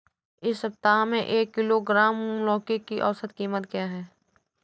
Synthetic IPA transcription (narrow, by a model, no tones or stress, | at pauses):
ɪsːɐp̚t̪aːmẽʔeːkːɪloɡɾaːmlɔːkekiʔɔːsət̪kiːmət̪kjaːɦɛː